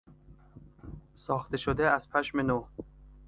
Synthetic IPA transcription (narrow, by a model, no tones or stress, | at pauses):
sɒːxt̪eʃod̪eæz̥pʰæʃmeno